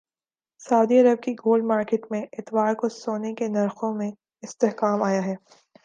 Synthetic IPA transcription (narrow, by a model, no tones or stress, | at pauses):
saʊd̪iɐɾəb̚kiɡoːlɖmaːɾkeːʈmẽʔɪt̪waːɾkosoːnekenɐɾxõmẽ | ɪst̪eɦkaːmaːjaɦɛː